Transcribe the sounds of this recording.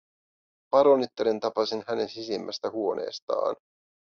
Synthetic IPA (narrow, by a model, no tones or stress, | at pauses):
pɑɾonit̪ːeɾint̪ɑpɑsinhæne̞nsisimːʔæst̪æhuo̞nʔe̞̰ːst̪ɑ̰ːn